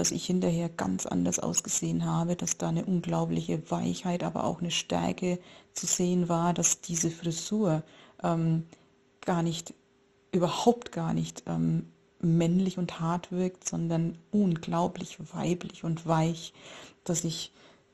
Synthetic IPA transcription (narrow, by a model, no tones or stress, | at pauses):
d̥asɪ̰çhɪntɐheːɐɡ̥a̰nt͡sʔa̰ndɐsʔa̰ʊsɡ̥əz̥eːənɦaːbədasd̥aːnəʔʊnɡlaʊplɪçəva̰ɪçhaɪtʔa̰ːbɐ̰ʔa̰ʊxnəʃtɛ̰ɐkət͡suzeːənvaːɐdasd̥iːzəfʁ̥izuːɐʔɛːm | ɡ̥aːɐnɪçt | ʔyːbɐhaʊptɡ̥aːɐnɪçtʔɛ̰ːmː | ɛnlɪçʊnthaɐtv̥ɪɐktz̥ɔndɐnʔʊnɡlaʊplɪçv̥a̰ɪplɪçʊntv̥aɪçd̥asɪç